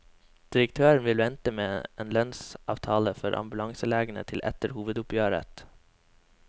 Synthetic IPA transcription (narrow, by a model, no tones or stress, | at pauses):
d̪̥ɪɾək̚t̪ʰøːɾɳ̩ʋɪlʋɛnt̪əmeːeːnlœnsʔɑ̰ːʋt̪ʰɑːləfɔɾʔɑ̰mbʉlɑŋsəleːɡənə̰t̪ʰɪlʔɛ̰t̪əɾhuːʋəd̪ʊpjøːɾə̰t̪